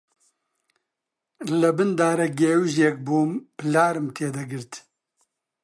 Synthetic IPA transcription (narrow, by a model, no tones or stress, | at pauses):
lɨbɨnd̪aːɾɐɡeːwɪʒjek̚buːmpɨlaːɾɨmt̪ʰeːd̪ɐɡɨɾt̪